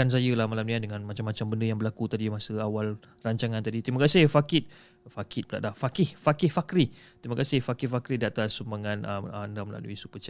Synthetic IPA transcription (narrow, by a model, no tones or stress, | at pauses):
ans̬ajəlahmalamniadəŋãnmat͡ʃamːat͡ʃambəndəjaŋbəlakut̪adimasəawal | raɲt͡ʃaŋant̪adit̪imakasɪhfakɪt̪̚ | fakɪt̪̚bəla̰ʔ̪̚lahfakɪhfakɪhfakɾi | t̪imakasɪhfakɪhfakɾidat̪arsəmaŋanəməndaməla̰lṵisupət͡ʃa